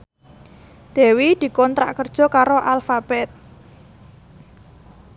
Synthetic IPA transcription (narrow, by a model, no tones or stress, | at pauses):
d̪̥e̤wid̪̥i̤kɔnt̪ɾa̰ʔkərd̥ʒ̥ɔ̤kaɾoʔalfab̥ɛt̪̚